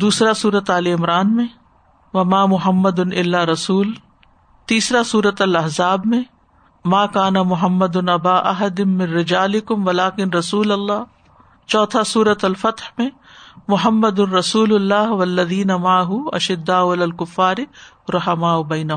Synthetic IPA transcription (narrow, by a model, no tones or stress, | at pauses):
d̪uːsɾasuːɾɐt̪aːleɪmɾaːnmẽ | ʋɐmaːmʊɦɐmːɐd̪ʊnɪlːaːɾɐsuːl | t̪iːsɾasuːɾət̪ɐlɐɦzaːbmẽ | maːkaːnɐmʊɦɐmːɐd̪ʊnʔɐbaːʔɐɦɐd̪ɪnmɪ̃nɾɪd͡ʒaːlɪkʊmʋɐlaːkɪnɾɐsuːlɐlˤːaː | t͡ʃɔːt̪ʰasuːɾɐt̪ɐlfɐt̪hmẽ | mʊɦɐmːɐd̪ʊnɾɐsuːlʊlːaːɦwɐlːɐðiːnɐmaʕaɦʊɐ̰ʃɪd̪ːaːwɐlɐlkʊfːaːɾɪ | ɾʊħɐmaːʊbɐjnɐ